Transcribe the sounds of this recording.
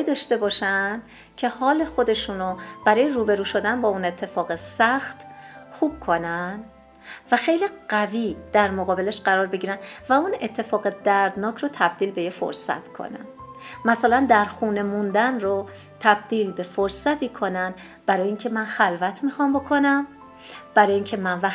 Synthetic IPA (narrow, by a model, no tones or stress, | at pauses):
d̪ɒːʃt̪e̞bɒːʃænd̪ | cʰe̞hɒːle̞xo̞d̪e̞ʃuːnob̥æɾɒːjeɾuːbe̞ɾuːʃod̪ænbɒːune̞t̪ʰːe̞fɒːɣesæxt̪xuːb̥̚kʰo̞nænd̪ | væxe̞jliɢæviːd̪̥æɾmoɣɒːbe̞leʃɢæɾɒːɾbe̞ɡɟiːɾænd̪væune̞t̪ʰːe̞fɒːɣed̪æɾd̪nɒːcʰɾot̪ʰæb̚d̪iːlbe̞jefo̰ɾsæ̰t̪ʰkʰo̰næ̰n | mæsælænd̪æɾxuːne̞mund̪ænro | t̪ʰæb̚d̪iːlbe̞foɾsæt̪ʰiːkʰo̞nænd̪ | b̥æɾɒːjeiːŋcʰe̞mænxælvæt̪ʰmixɒːmbo̞kʰo̞næm | b̥æɾɒːjeiːŋcʰe̞mænvæ